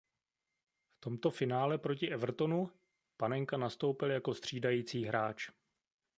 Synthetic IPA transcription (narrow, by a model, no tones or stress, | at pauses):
ft̪o̞mt̪o̞fɪnaːlɛpɾocɪʔɛvr̩t̪o̞nu | panɛŋkanast̪o̞wpɪljako̞st̪r̝̥iːdajiːt͡siːɦɾaːt͡ʃ